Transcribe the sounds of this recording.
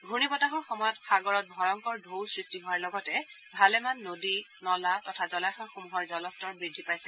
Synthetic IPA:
ɡʱunibɔtaɦɔɹxɔmɔjɔtxaɡɔɹɔt̚bʱɔjɔŋkɔɹdʱowsɹistiɦɔwaɹlɔɡɔtɛ | bʱalɛmanːodinɔlatɔtʰazɔlaxaxomuɦɔɹzɔlɔstɔɹbɹidʱːipajsɛ

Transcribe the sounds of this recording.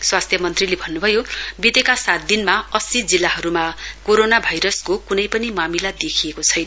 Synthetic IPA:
swast̪ʰjʌmʌnt̪rilebʱʌnːubʱʌjobid̪ekasat̪̚d̪inmaʌsid͡zilːaɦʌɾumakoɾonabʱajɾʌskokunʌjpʌnimamilad̪ekʰijekot͡sʰʌjnʌ

